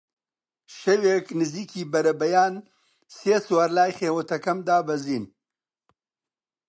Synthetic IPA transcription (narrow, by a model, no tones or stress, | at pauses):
ʃɐweːknɨziːkʰiːbɐɾɐbɐjaːn | seːswaɾlaːjχeːwɐt̪ʰɐkɐmd̪aːbɐziːn